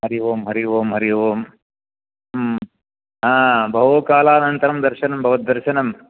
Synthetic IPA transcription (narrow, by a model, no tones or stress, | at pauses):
ɦɐɾiʋoːmɦɐɾiʋoːmɦɐɾiʋoːm | m | ɦãːbɐɦoːkaːlaːnɐnt̪ɐɾɐmd̪ɐɾʃɐnɐmbʱɐʋɐt̪̚d̪ɐɾʃɐnɐm